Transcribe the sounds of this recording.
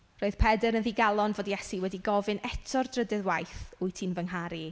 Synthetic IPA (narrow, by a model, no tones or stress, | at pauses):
roːɨð̥pʰɛdəɾənðiːɡalˠɔnvoːdjɛsiwɛdiɡɔvɨnɛtʰɔrdrədɛðwajθʊɨtʰinvəŋɦaɾi